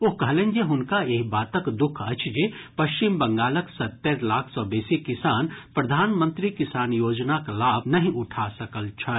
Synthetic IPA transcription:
oɦkɐɦlẽŋɡeɦʊnkaeːkbaːt̪əkd̪ʊkʰɐt͡ʃʰd͡ʒepɐʃt͡ʃimbɐ̃ŋɡaːləksɐt̪ːeɾlaːkʰsɔːbeːsikɪsaːnpɾɐd̪ʱaːnmə̃nt̪ɾikɪsaːnjoːd͡ʒnaklaːbnɐɦĩʔʊʈʰasɐkəlt͡ʃʰɐ

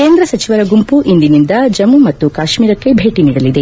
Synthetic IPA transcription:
ke̞ːnd̪ɾɐsɐt͡ʃiʋɐɾɐɡumpuʔind̪inind̪ɐd͡ʒɐmumɐt̪ːukaːʃmiːɾɐkːe̞bʱe̞ːʈiniːɽɐlid̪e

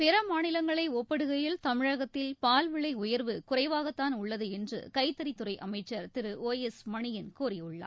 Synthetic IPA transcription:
pɛɾɐmaːnɪlɐŋɡɐɭɐɪɔpːɐɽɯɣɐjɪlt̪ɐmɪɻɐɣɐt̪ːɪlpaːlʋɪɭɐɪʊjɐɾʋɯkʊrɐɪʋaːɣɐt̪ːaːnʊɭːɐðɯɛndrɯ̰kɐɪt̪ːɐɾit̪ːʊrɐɪʔɐmɐɪt͡ʃːɐɾt̪ɪɾɯʔoːjɛsmɐɳɪjɪnkuːrɪʊɭːa̰ː

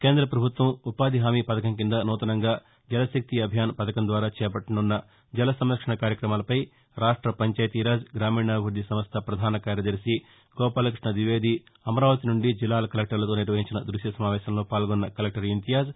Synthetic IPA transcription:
ke̞ːnd̪ɾɐpɾɐbʱut̪ʋɐmupaːd̪iɦaːmipɐd̪ɐkɐmkind̪ɐnɔːt̪ɐnɐŋɡaː | d͡ʒɐlɐsɐk̚t̪iɐbʱjaːnpɐd̪ɐkɐnd̪ʋaːɾaːt͡ʃɛːpɐʈːɐnunːɐ | d͡ʒɐlɐsɐmɾɐkʂɐɳɐkaːɾjɐkɾɐmaːlɐpɐj | ɾaːʂʈɾɐpɐɲt͡ʃaːjɐt̪iːɾaːd͡ʒɡɾaːmiːɳaːɡʱuɾd̪isɐmɐst̪ʰɐpɾɐd̪ʱaːnɐkaːɾjɐd̪ɐɾisi | ɡ̥ɔːpaːlɐkɾiʂɳɐʋiʋeːd̪ʱi | ɐmɐɾaːʋɐt̪inuɳɖid͡ʒilːaːlɐkɐlek̚ʈɐɾlɐt̪oːniɾʋɐɦiɲt͡ʃinɐd̪ɾuʂjɐsɐmaːʋɛːʃɐmlo̞ːpaːlɡɔnːɐkɐlek̚ʈɐɾint̪ijaːd͡ʒ

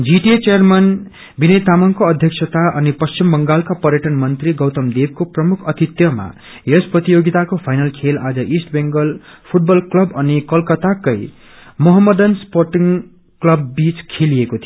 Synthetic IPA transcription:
d͡ziʈiet͡sejʌrman | binʌjt̪amʌŋkoʌd̪ʱjʌksʰʌt̪aʌnipʌst͡ɕimbʌŋɡalkapʌrɾjʌʈʌnmʌnt̪riɡʌwt̪ʌmd̪eb̚koprʌmukʰʌt̪it̪jʌma̰ | jʌsprʌt̪ijoɡit̪akopʰajnʌlkʰelad͡zʌʔisʈbeŋɡʌlpʰuʈ̚bʌlklʌbʌnikʌlkʌt̪akʌj | mʌɦʌmːʌd̪ʌnsporʈiŋ | klʌbːit͡skʰelijekot̪ʰio

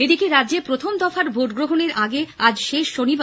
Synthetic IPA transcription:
ed̪ikeɾad̪ːd͡ʑepɾot̪ʰomd̪ɔfaɾbʱoʈɡɾoɦoneɾʔaɡead͡ʑʃeʃːoniba

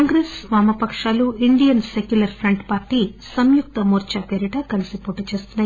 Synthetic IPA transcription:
ŋɡɾesʋaːmɐpɐkʂaːluiɳɖijɐnsekjulɐɾpʰɾeɳɖpaːɾʈiːsɐmjuk̚t̪ɐmuːɾt͡ʃɐpeːɾiʈɐkɐlisipoːʈːut͡ʃe̞ːst̪unːa

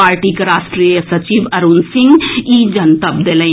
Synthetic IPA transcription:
aːɾʈikeɾaːsʈɾijəsɐt͡ʃiːʋɐɾunsɪ̃ŋɡiːd͡ʒɐnt̪əbd̪eːlẽ

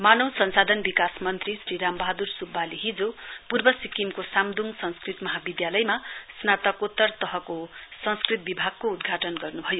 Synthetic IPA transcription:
manʌwsʌnsad̪ʱʌnbikasmʌnt̪risriɾambʌaɦd̪ursubːaliɦid͡zopurbʌsikimkosamd̪ʱuŋsʌ̃ŋskrit̪mʌɦabid̪jalʌjmasnat̪ʌkot̪ːʌrt̪ʌɦʌkosʌŋskrit̪̚bibʱaɡ̚koud̪ɡʱaʈʌnɡʌrnubʱʌjo

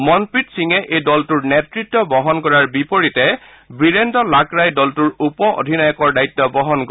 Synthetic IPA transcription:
mɔnpɹitsiŋɛʔejdɔltuɹnetɹitːɔbɔɦɔnkɔɹaɹbipoɹitɛ | bɹiɹendɔlakɹajdɔltuɹupɔʔo̰dʱinajɔkɔɹdajtːɔbɔɦɔnk

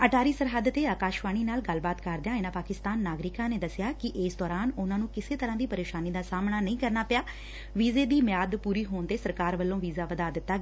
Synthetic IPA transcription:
əʈʰaːɾiːsəɾɦəd̪t̪eːaːkaːʃʋaːɽ̃iːnaːlɡəlbaːt̪kəɾd̪ejãːɪnãːpaːkɪst̪aːnːaːɡɾɪkãːneːd̪əsɪjaːkɪʔɪːsd̪ɔːɾaːnʊnãːnũːkɪseːt̪əɾãːd̪iːpəɾeːʃaːniːd̪aːsaːmnaːnəĩːkəɾnaːpɪjaː | ʋiːzeːd̪iːmɪjaːd̪puːɾiːɦoːnt̪eːsəɾkaːɾʋəlːõːʋiːzaːʋəd̪aːd̪ɪt̪ːaːɡ

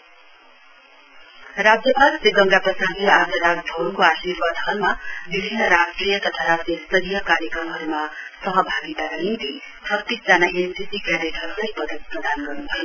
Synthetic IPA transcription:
rad͡zjʌbad̪seɡʌŋɡapʌsaɡiad͡zʌɾaɡ̚d̪ʱʌɾukoasirbad̪ʱɦʌnmabibʱinːʌɾasʈrijʌt̪ʌt̪ʰaɾasjʌst̪ʌɾijʌkaɾjʌkrʌmɦʌɾumasʌɦʌbʱaɡit̪aɾʌɦint̪i | t͡sʰʌt̪ːisd͡zanaʔesdisikaɾeʈʰʌɾulʌjpʌd̪ʱʌt̪̚prʌd̪ʱanɡʌrnut̪ʰʌjo

